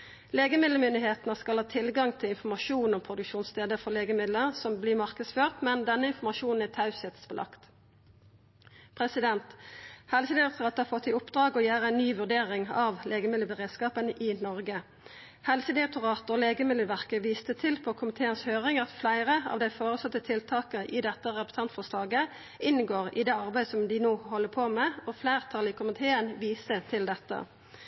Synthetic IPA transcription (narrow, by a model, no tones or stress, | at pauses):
leːɡəmɪd̪ləmʏnd̪ɪheːt̪nəskɑlhɑːt̪ʰɪlɡɑŋt̪ʰɪlɪnfɔmɑʂuːnɔmpʰʁʊd̪ʉkʃuːnsst̪ʰeːd̪əfɔʁleːɡəmɪd̪ləʁsɔmblɪːmɑʁkəsføːʁt̪mɛnd̪ɛnːəɪnfɔmɑʃuːnn̩æt̪ʰɑʉsɛt̪spɔlʔɑ̰kt̪ | pʰʁɛsɪd̪ɛnt̪hɛlsəd̪ɪʁɛkt̪ʊʁɑːt̪d̪əɑfɔt̪ːɪʊpd̪ʁɑːɡɔjæːʁəæɪnnyːʋʉʁd̪eːʁɪŋɑʋleːɡəmɪd̪ləbəʁeːd̪skɑːpənʔɪːnɔʁɡə | hɛlsəd̪ɪʁɛk̚t̪ʊʁɑːt̪əɔːleːɡəmɪd̪əʋæʁkəʋiːst̪ət̪ʰɪlpʰɔkʰʊmɪt̪ʰeːənshøːʁɪŋɑt̪flæɪʁəɑ̰ːʋd̪æɪfoːʁəsɑt̪ːət̪ʰɪlt̪ʰɑːkəʔɪd̪ɛt̪ːəʁɛpə̥sʰɑnt̪fɔslɑːɡə | ʔɪnɡoːʁɪ̰d̪eːɑʁbæɪd̪əsɔmd̪ɪnoːhɔlːəpʰoːmɛːɔflæɪʁt̪ʰɑlɪkʰʊmɪt̪ʰeːənʋiːsət̪ʰɪld̪ɛt̪ːə̰